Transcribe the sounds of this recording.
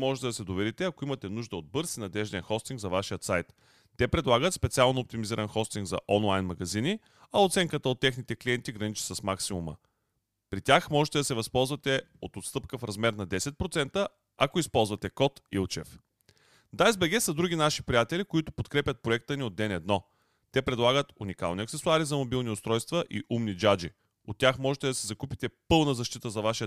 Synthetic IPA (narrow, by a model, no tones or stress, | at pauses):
mɔʒɛt̪ɛd̪ɐsɛd̪ovɛɾit̪ɛɐkoimɐt̪ɛnuʒd̪əod̪̚bɤɾsinɐd̪ɛʒd̪ɛnxɔst̪iŋɡzɐvaʃijət̪sajt̪ː | ɛpɾɛd̪lˠaɡət̪spɛt̪sialˠnoop̚t̪imiziɾɐnxɔst̪iŋɡzɐ̰ʔɔnlˠajnmɐɡɐzini | ɐot̪sɛŋkət̪əot̪ːɛxnit̪ɛkliɛnt̪iɡɾɐnit͡ʃi̥səsmaksimumə̰ | pɾit̪ʲaxmɔʒɛt̪ɛd̪ɐsɛvɐspɔlˠzvɐt̪ɛot̪ot̪st̪ɤpkəfɾɐzmɛɾnɐd̪ɛsɛt̪̚pɾot̪sɛnt̪ə | ɐkoispɔlˠzvɐt̪ɛkɔt̪ḭlˠt͡ʃɛ̰f | d̪ajzbɛɡɛsɐd̪ɾuɡʲinaʃi̥pɾijat̪ɛlikoit̪ʊ̥pot̪kɾɛpʲət̪̚pɾoɛk̚t̪əniod̪ːɛnɛd̪nɔ | t̪ɛpɾɛd̪lˠaɡət̪unika̰lˠnʲiəɐksɛsʊaɾizɐmobilˠniʊst̪ɾɔjst̪vəʔiʔumnid͡ʒad͡ʒi | ot̪ːʲaxmɔʒɛt̪ɛd̪ɐsɛzɐkupi̥t̪ɛpɤlˠnəzɐʃt̪it̪əzɐvaʃiə